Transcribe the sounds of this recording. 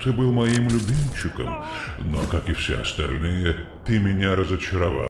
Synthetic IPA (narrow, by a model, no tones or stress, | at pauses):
t̪ɨbɨlˠmɐimlʲʊbʲimʲt͡ɕːɪkə̰m | no̰kakɨfsʲḛɐ̰st̪ɐ̰lʲnɨjət̪ɨmʲɪnʲaɾəzət͡ɕɪɾɐva̰